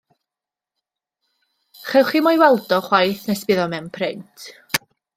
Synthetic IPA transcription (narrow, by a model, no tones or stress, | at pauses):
χɛwχimɔjwɛlˠdɔχwajθnɛspɪðɔmɛwnpʰrɪntʰ